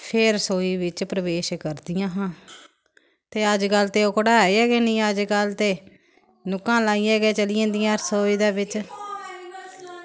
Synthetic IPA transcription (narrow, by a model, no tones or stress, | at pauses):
pʰɪɾsoːiːʋɪt͡ʃpɾəʋeːʃkəɾd̪ɪjãːɦãː | t̪eːəd͡ʒkəlt̪eːʊkɽaːɛːiɛːɡeːnĩːəd͡ʒkəlt̪eː | nʊkãːlaːiːɛːɡɛːt͡ʃəlɪjãːd̪ijãːsoːiːd̪aːʋɪt͡ʃ